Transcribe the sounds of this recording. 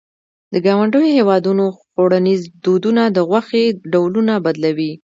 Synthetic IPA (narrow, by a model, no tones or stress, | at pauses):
d̪əɡɑwaɳɖəjohewɑd̪unoxoɽanizd̪od̪unad̪əɣwaxeɖawlunabad̪lawi